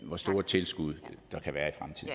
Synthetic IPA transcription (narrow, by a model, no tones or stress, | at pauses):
ʋɒsd̥o̝ːɐt͡sʰe̝lsɡ̥uð̞̰ˠd̥ɑ̈kʰæʋæːɐifʁamt͡sʰiðˠ